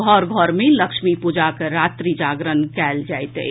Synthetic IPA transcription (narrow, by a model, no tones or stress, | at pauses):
ɡʱɔːɾɡʱɔːɾmẽləkʃmipud͡ʒakeɾaːt̪ɾid͡ʒaːɡɾənkɛːld͡ʒaːjt̪ḛ